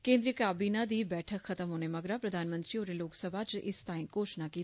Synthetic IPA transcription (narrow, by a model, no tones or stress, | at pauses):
kẽːnd̪ɾijəkaːbiːnad̪iːbɛːʈʰəkxɐt̪əmɦoːnemɐɡɾapɾəd̪ʱaːnmə̃nt̪ɾioːɾeloːksəbʱat͡ʃʔɪ̰st̪aːɪ̃ĩkoːʃnakiː